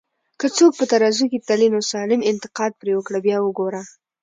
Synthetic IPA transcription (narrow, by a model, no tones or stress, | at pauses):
kət͡sok̚pət̪aɾɑzuket̪alinosɑlɪmɪnt̪ɪ̥qɑd̪̚pɾewəkɽəbjɑwəɡoɾa